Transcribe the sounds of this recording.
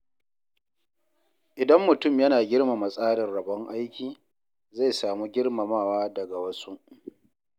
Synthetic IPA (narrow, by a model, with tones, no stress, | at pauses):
ʔɪ˨dɐ˦mːʊ˨tʊ˦mjɐ˦naː˨ɡʲɪ˦ɽma˨mɐ˨sʼaː˦ɽɪ˨nɽɐ˨bɔ˦ŋʔa˦jkʲiː˨ | za˦˨jsaː˨muː˦ɡʲɪ˦rma˨maː˦˨waː˦dɐ˨ɡa˨wɐ˦su˦ʔ